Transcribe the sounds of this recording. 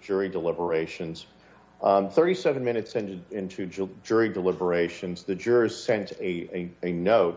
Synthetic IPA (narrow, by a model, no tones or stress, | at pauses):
d͡ʒʊɹidəlɪbə˞eɪʃɨ̃nz̥ | θɜ˞ɾisɛvɨ̃n̩mɪ̃ñɨtsɪ̃nɨɪ̃ntʰʉd͡ʒʊɹidəlɪbə˞eɪʃɨ̃nzðɨd͡ʒʊɹɨz̥sɛ̃ntʰɨɨɨnoʊt̚